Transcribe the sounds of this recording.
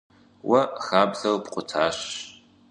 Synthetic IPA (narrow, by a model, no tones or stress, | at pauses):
wʔɐxaːbɮɐwpqʷʼʊtʰaːɕ